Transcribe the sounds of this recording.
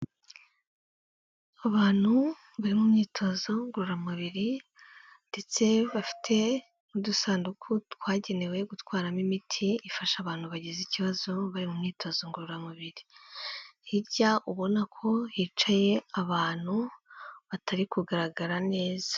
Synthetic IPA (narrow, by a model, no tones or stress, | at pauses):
aβaːn̥hu | βaɾimumɲiːtʰo̞zo̞ŋɡuɾuɾamuβiɾi | nde̞t͡se̞βafi̥tʰe̞ | mudusaːndukʰutkwaːɟe̞ne̞we̞ɡutkwaːɾamimitʰiːfaʃaβaːn̥huβaɟiziciβazo̞βaɾimumɲiːtʰo̞zo̞ŋɡuɾuɾamuβiɾi | hiɾɟaʔuβo̞nakʰo̞hiːt͡ʃaje̞aβaːn̥huβatʰaɾikuɡaɾaɡaɾane̞ːzḁ